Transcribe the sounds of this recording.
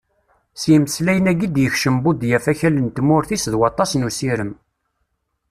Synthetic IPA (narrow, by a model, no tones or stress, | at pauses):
sjəməslæjənæɡid̪jəçʃəmbud̪jæfæçælənt̪mʊɾθisðwɑt̪ˤːɑsnusiɾəm